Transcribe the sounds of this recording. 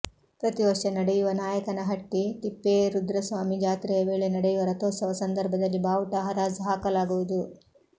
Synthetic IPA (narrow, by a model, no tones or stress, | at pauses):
pɾɐt̪iʋɐʂɐnɐɽejuʋɐnaːjɐkɐnɐɦɐʈːit̪ipːeːɾud̪ɾɐsʋaːmid͡ʒaːt̪ɾɛjɐʋe̞ːɭenɐɽɛjuʋɐɾɐt̪oːsɐʋɐsɐnd̪ɐɾbʱɐd̪ɐlːibaːʋʈɐɦɐɾaːd͡ʒɦaːkɐlaːɡuʋud̪u